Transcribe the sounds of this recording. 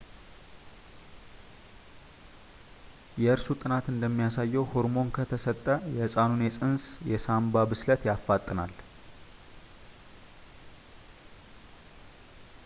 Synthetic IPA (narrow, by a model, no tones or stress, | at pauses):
jɛɨɾsut̪ʼɨnat̪ɨnd̪əmːijasajːɛwho̞ɾmo̞nkʰət̪ʰəsət̪ʼːəjɛɨsʼanunjɛsʼɨnsjɛsambabɨslət̪jafːat̪ʼːɨna̰l